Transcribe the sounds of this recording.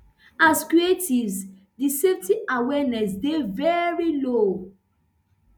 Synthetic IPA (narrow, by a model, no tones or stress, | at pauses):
askɹietivz | diseftiʔawɛnɛsdevɛɹilo